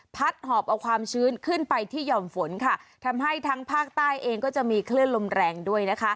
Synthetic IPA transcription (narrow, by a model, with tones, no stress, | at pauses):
pʰa˦˥t̪̚hɔː˨˩p̚ʔa˧wkʰwaː˧mt͡ɕʰɯː˦˥nkʰɯ˥˩npa˧jt̪ʰiː˥˩jɔː˧mfo˩˦nkʰa˥˩t̪ʰa˧mɦa˥˩jt̪ʰaː˦˥ŋpʰaː˥˩k̚t̪aː˥˩jʔeː˧ŋkɔː˥˩t͡ɕa˨˩ʔmiː˧kʰlɯ˥˩ənlo˧mɾɛː˧ŋdu˥˩əjna˦˥kʰa˦˥